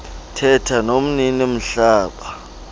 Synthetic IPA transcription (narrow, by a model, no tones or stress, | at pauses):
tʰɛtʰanom̩ninim̩ɬaːɓḁ